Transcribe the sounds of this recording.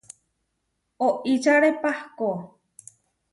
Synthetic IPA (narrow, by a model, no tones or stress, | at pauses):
oʔit͡ʃaɾepahko